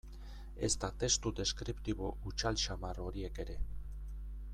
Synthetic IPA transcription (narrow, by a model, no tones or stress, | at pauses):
e̞̰st̪at̪e̞st̪ud̪e̞skɾipt̪iβ̞o̞ut͡ʃalt͡ʃamaro̞ɾie̞ke̞ɾe̞